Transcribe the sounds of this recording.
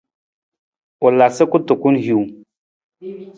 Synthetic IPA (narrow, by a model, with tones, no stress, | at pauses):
u˨la˨sə˦ku˦tu˨ku˦nɦu˨